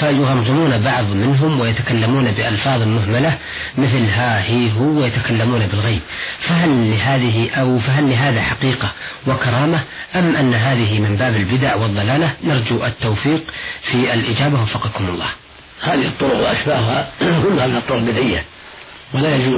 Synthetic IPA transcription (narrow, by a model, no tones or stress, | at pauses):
fajʊɣɑmzˤɪmuːnabɑʕðˤmɪnɦʊmwɪjat̪akalːamuːnabɪʔɑlfɑːðˤɪlmʊɦmala | mɪθlɦahiːɦʊajat̪akalːamuːnabɪlɣajb̚faɦalːɪɦaːðɪɦɪʔawfaɦalːɪɦaːðaħɑqiːqawɪkɑɾˤɑːmaʔamːʔanːaɦaːðɪɦɪmɪmbaːbɪlbɪd̪aʕwɨðˤːɑlaːlanɑɾˤd͡ʒuʔat̪ːawfiːqfiʔalʔɪd͡ʒaːbawɑfːɑqɑkʊmʊlˤːɑ̰ːh | haːðihɨt̪ˤːʊɾʊqwɪʔaʃbaːʔhʊhahʊlːʊhamɪnɨt̪ˤːʊɾʊlbɪd̪ʔɪjːa | walajad͡ʒuː